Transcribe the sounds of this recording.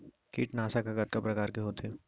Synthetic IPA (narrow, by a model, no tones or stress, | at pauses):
kḭːʈnaːsakaɡɐt̪̚kapɾɐkaːɾkeɦoːt̪ʰe